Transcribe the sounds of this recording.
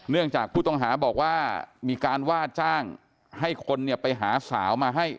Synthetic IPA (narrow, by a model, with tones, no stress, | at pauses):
nɯ˥˩əŋt͡ɕaː˨˩k̚pʰuː˥˩t̪ɔ˥˩ŋɦaː˩˦bɔː˨˩k̚waː˥˩miː˧kaː˧nwaː˥˩t͡ɕaː˥˩ŋ | ha˥˩jkʰo˧nːi˥˩əpa˧jɦaː˩˦sa̰ː˩˦wmaː˧ɦa˥˩j